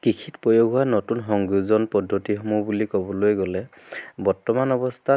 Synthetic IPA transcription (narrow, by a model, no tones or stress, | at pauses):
kikʰitpɔjoɡʱɦuwanɔtunɦɔŋɡuzɔnpɔdʱːotiɦɔmubulikɔbɔlojɡɔlɛ | bɔɹtɔmanɔbɔstʰa